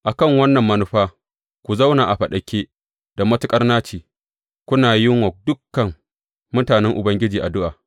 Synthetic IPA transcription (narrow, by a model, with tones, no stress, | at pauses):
ʔa˨kɐ˦˨ŋwɐ˦nːɐ˨mːɐ˦nʊ˦ɸaː˦ | kʷu˨za˦wnaː˨ʔa˨ɸɐ˨ɗɐ˨kʲeː˦ | d̥a˨mɐ˦tʊ˦kʼɐ˦rnaː˦t͡ʃiː˨ | kʷʊ˦naː˨jɪ˦ŋwɐ˨dʊ˦kːɐ˨ŋ | mʊ˦taː˨nɛ˦ŋʔʊ˨bɐ˦ŋɡʲɪ˦d͡ʒiː˨ʔa˨dʊ˦ʔaː˨